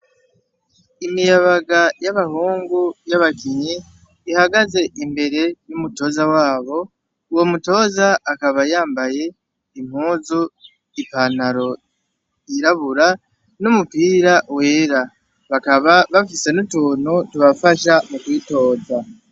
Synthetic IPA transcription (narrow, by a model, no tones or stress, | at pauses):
imijaβaɡajaβahuːŋɡujaβakiɲiː | haɡaze̞ʔimbe̞ɾe̞numuto̞ːzawaːβo̞ | uwo̞muto̞ːzaːkaβajaːmbaje̞ | im̥huːzu | ipanaɾo̞ | iɾaβuɾa | numupiːɾawe̞ːɾa | βakaβaβafise̞nutuːnutuβafaʃamukwiːto̞ːza